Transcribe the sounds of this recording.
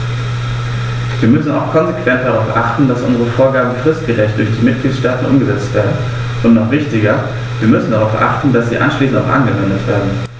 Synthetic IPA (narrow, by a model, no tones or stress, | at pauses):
viːɐmʏsn̩a̰ʊxkʰɔnzekv̥ɛnt̚d̥aʁaʊfʔa̰χtn̩d̥asʔʊ̰nzəʁəfoːɐɡaːbm̩fʁ̥ɪst̚ɡ̥əʁɛçt̚d̥ʊɐçd̥iːmɪt̚ɡ̥liːtʃtaːtn̩ʔʊmɡəzɛt͡stv̥eːɐdn̩ | ʔʊntnɔχv̥ɪçtɪɡɐ | viːɐmʏsn̩daʁaʊfʔa̰χtn̩dasz̥ḭːʔa̰nʃliːsn̩taʊxʔa̰nɡəvɛndətv̥eːɐdn̩